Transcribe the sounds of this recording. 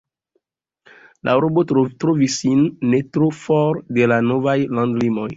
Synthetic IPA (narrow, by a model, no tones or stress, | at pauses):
lʔa̰ɾobotɾovisinːetɾufɔɾdelanovajlãndlimoj